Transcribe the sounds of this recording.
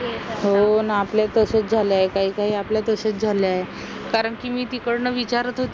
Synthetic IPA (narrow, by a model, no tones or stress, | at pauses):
ɦonaːpljat̪əsət͡sd͡zʱaleaekaɦiːkaɦiːapljat̪əsət͡sd͡zʱaljae | kaɾəɳkiːmiːt̪ikəɽɳəʋit͡ɕaɾət̪ɦot̪